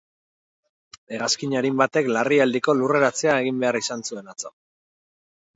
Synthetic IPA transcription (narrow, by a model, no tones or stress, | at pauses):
eɣaskiɲaɾimbat̪e̞klariald̪iko̞lure̞ɾat͡se̞ae̞ɣimbe̞arisansue̞nat͡so